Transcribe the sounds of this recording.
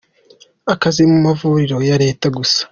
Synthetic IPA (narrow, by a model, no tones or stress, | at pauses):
akazimumavuɾiɾo̞jaɾe̞ːtaɡusḁ